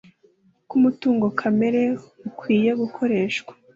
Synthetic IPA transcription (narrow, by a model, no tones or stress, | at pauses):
kumutuːŋɡo̞kʰame̞ɾe̞ukʰwiːje̞ɡukʰo̞ɾe̞ːʃkwḁ